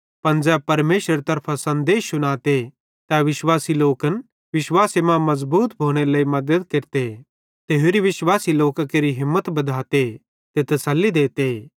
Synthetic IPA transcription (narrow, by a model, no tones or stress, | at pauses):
pɐnd͡ʒɛːb̚pɐɾmeːʃɾəɾt̪ɐɾpʰasɐ̃nd̪eːʃʊɽ̃aːt̪e | t̪ɛʋɪʃwaːsiloːkən | ʋɪʃwaːsemãmɐzbuːt̪bʱoːɽ̃elɐːimɐd̪əd̪keɾt̪e | t̪eːɦoɾiʋɪʃwaːsiloːkakeɾiɦɪmːət̪bɐd̪ʱaːt̪e | t̪et̪ɐsəlːid̪eːt̪e